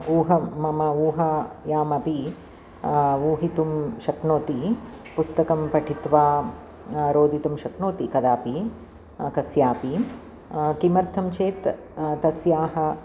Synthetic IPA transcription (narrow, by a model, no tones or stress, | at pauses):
uːɦɐmɐmɐuːɦɐjaːmɐpi | uːɦit̪umʃɐknoːt̪i | pust̪ɐkɐmpɐʈʰit̪ʋaː | ɾoːd̪ʱit̪umʃɐknoːt̪ikɐd̪aːpi | kɐsjaːpi | kimɐɾt̪ʰɐmt͡ʃeːt̪ | t̪ɐsjaːɦɐ